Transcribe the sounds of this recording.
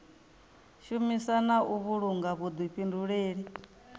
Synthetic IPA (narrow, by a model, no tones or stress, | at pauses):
ʃumisanaʔuβuɺuŋɡaβud̪wiɸinduɺeːɺi